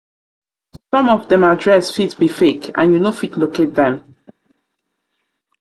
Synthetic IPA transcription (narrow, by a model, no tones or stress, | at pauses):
sɔ̃mɔvdɛ̃madɹɛsfitbifekã̰njunofitlokʰet̚ðɛ̃m